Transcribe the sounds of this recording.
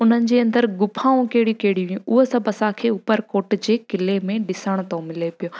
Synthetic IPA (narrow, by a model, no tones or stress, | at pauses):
ʊn̤ənɪ̆d͡ʑeːɐ̃nd̪əɾɡʊpʰãːũkeːɽikeːɽiʋiũʔʊɦosɐbʱɐsãkʰeːʊpəɾkoːʈd͡ʑeːkɪlemẽɗɪsəɽ̃ʊt̪ʰomɪlepijo